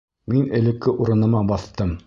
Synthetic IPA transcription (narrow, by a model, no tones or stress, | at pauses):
minɘ̆lɘ̆kːɘʔuɾɤ̆nɤ̆mɑbɑθt̪ɤm